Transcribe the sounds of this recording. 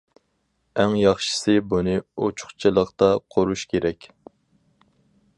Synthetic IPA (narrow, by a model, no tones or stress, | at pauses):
æŋjɑχʃɨ̥sɨbunɨot͡ʃʰʊ̥χt͡ʃʰɨlˠəqt̪ɑqʰoɾuʃkʲeɾɛkʲ